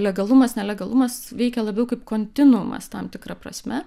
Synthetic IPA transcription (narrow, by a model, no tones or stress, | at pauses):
lʲɛɡɐlˠʊmɐsnʲɛlʲɛɡɐlˠʊmɐsʋʲɛɪkʲɛlˠɐbʲɛʊkɐɪpkoːnʲt̪ʲɪnʊmɐ̰st̪ɐmt̪ʲɪkɾɐpɾɐ̰sʲmʲɛ